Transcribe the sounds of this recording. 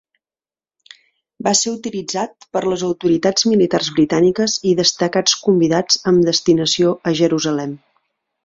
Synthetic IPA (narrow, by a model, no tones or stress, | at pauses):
baseut̪ilid͡zat̪̚pəɾləzəwt̪uɾit̪ad͡zmilit̪arzβɾit̪anikəziðəst̪əkat͡skumbiðad͡zəmd̪əst̪inəsioʔəʒəɾuzəlɛm